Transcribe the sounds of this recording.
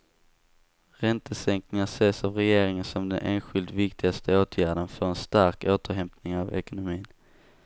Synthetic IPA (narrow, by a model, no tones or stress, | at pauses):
ɾɛnt̪ʰəsɛŋknɪŋaseːsavɾɛjeːɾɪŋənsɔmd̪ɛnʔeːnɧɪlt̪vɪkt̪ʰɪɡast̪ʰəoːt̪ʰjæːɖənfəɾɛnst̪aɾkoːt̪əɾɦɛmpnɪŋavɛ̰kʊnʊmiːn